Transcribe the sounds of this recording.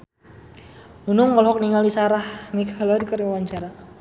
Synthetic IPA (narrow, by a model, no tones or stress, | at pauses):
unʊŋmɔlɦɔk̚niŋalisaɾahnikʰalɔnkəɾiwaɲt͡ʃaɾa